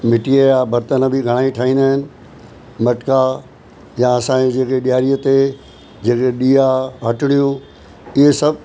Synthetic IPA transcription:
mɪʈiəjabɐɾt̪ənəbʱiɡʱɐɽ̃aːiʈʰaːɦĩːnd̪aːɦɪnɪ̆ | mɐʈka | jãɐsãẽd͡ʑeːkeɗijaːɾijət̪e | d͡ʑeːkeɗiːaɦɐʈɪɽ̃ijũ | ɪɦesɐbʱ

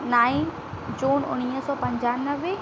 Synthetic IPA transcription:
naːĩ | d͡ʑuːnʊ̰ɽ̃iːɦəsɔːpɐ̃ɲd͡ʑaːnəʋe

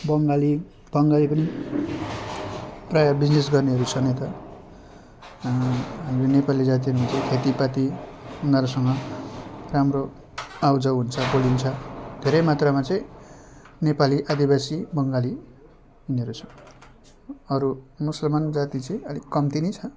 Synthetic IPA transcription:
bʌŋɡali | b̥ʌŋɡalipʌni | prajabid͡znesɡʌrneɦʌɾut͡sʰʌnet̪ʌ | ɦamɾenepalid͡zat̪̬iɦʌɾumat͡sʌĩkʰet̪ipat̪iunaɾusʌŋɡʌ | ramro | awd͡zʌwɦunt͡sʰʌbolint͡sʰʌd̪ʱeɾʌjmat̪ramat͡sʌĩ | nepaliʔad̪ibasibʌŋɡali | uneʌɾut͡sʰʌ | ʌɾumusʌlmand͡zat̪it͡sʌĩʌlikʌmt̪init͡sʰʌ

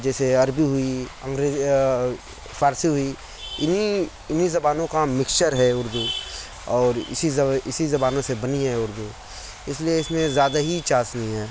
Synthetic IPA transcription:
d͡ʒɛːseɐɾbiɦʊiɐ̃ŋɡɾeːzi | fʰaːɾsiɦʊi | ɪni | ɪnizɐbaːnõkamɪkʃəɾɦɛʊɾd̪u | ɔːɾɪ̰siɪsizɐbaːnõsebɐniɦɛʊɾd̪u | ɪslieɪsmẽzjaːd̪aɦit͡ʃaːsnɐɦĩɦɛː

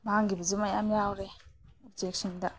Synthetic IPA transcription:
baŋɡibazumajamjawɾeɔbd͡ʒek̚sindɐ

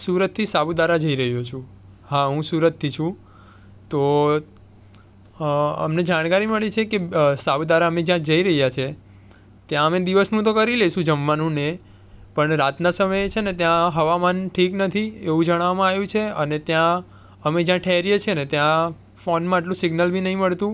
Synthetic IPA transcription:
suɾət̪ʰːisabd̪aɾad͡ʒəiɾəɦjot͡ʃʰũ | ɦaɦũsuɾət̪ʰːit͡ʃʰũ | t̪o | ə̰mned͡ʒaɽ̃kaɾiməɭit͡ʃʰekesabud̪aɾaəmed͡ʒjãd͡ʒəiɾəɦjat͡ʃʰe | t̪jãəmed̪iʋəsnũt̪okəɾileʃũd͡ʒəmʋanũne | pəɳɾat̪nasəməjt͡ʃʰenet̪jãɦəʋamanʈʰiknət̪ʰieʋũd͡ʒəɽ̃aʋmãaʋjũt͡ʃʰeənet̪jã | əmed͡ʒjãʈʰeɦɾijet͡ʃʰenet̪jã | fonmãaʈlũsɪɡnəlbʱinəɦĩməɭt̪ũ

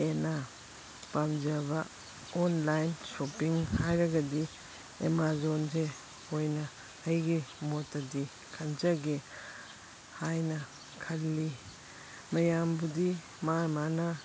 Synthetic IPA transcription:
ena | pamd͡ʒɐbɐ | onlajnsopiŋhajɾɐɡɐdi | ḛmazonze | ojnɐː | jɡimotːɐdi | kʰɐnd͡ʒɐɡe | hajnɐ | kʰɐlːi | mɐjambudi | mamanɐ

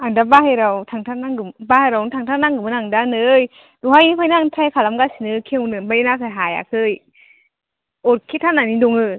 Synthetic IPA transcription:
aŋdabaɦajɾawtʰaŋtʰanaŋɯmbahajɾawtʰaŋtʰanaŋɡɯɯnaŋdanɯj | duɦajnipʰajnaŋtʰajkʰalamɡasinɯkʰeŋunɯnbainasaɦaja̰kʰɯj | ot̚kʰetʰananiduŋɯ

